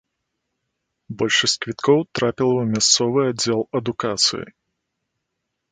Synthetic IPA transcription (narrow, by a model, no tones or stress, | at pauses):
bɔlʲʂɐsʲt͡sʲkvʲit̪kʰɔwt̪ɾapʲilˠɐwmʲast̪sɔvɨad͡zʲɛlˠɐd̪ukat̪sɨ̰jḭ